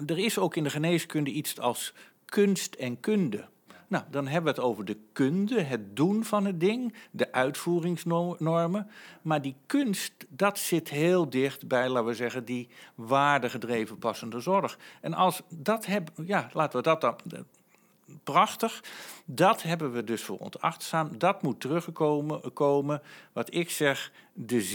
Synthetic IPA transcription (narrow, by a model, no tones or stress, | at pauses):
dərɪsowkɪndəχəneːskʏndəitsɑlˠs | kɵnstʰɛnkøndə̰ | nawdɑnɦɛbəʋəətowvəɹdəkøndəɦət̚dunvɑnətdɪŋdəʔœɥtfuːrɪŋsnɔɹməmaːɹdikønstdɑtsɪtɦeːlˠdɪχtbɛjlaːtʋəzɛɣəndiʋaːɹdəχədrejvənpɑsəndəzɔɹχɛnɑlˠsdɑtɦɛbjaːlaːtəʋədɑt | prɑxtəχdɑtɦɛbənʋədɵsfʊ̰ːrɔ̰ntɑ̰χtsaːmdɑtmutərɵχkowməʋɑtɪksɛχdə